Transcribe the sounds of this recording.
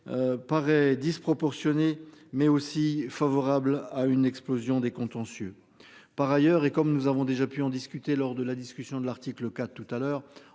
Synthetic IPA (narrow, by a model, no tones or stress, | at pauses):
paʁɛd̪ispχɔpɔʁsjɔnemɛosifavɔʁablaynɛksplozjɔ̃d̪ekɔ̃t̪ɑ̃sjø̰ | paʁajœʁekɔmnuzavɔ̃d̪eʒapyɑ̃d̪iskʲyt̪elɔʁd̪əlad̪iskʲysjɔ̃d̪əlaʁt̪ikləkat̪t̪ːut̪alœːʁ